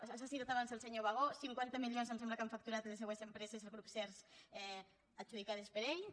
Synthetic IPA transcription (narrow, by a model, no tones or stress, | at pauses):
asasiot̪aβansalˠseɲoβaɣ̞osiŋkwant̪əmilions̬amsɛmblakaɱfak̚t̪uɾat̪les̬ewesempɾesezelɣɾupsɛɾsɛ | ad͡ʒuð̞ikað̞espeɾej